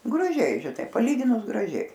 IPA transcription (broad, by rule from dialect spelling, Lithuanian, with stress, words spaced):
ɡrɐˈʒʲɛɪ ʒʲɪˈnɐɪ pɐˈlʲiːɡʲɪnʊs ɡrɐˈʒʲɛɪ